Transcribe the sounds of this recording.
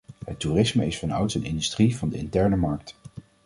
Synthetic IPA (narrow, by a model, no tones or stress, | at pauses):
ɦətːuːrɪsməɪsfɑnʌwtənɪndystrivɑndəɪ̰ntɛɹnəmɑɹk̚t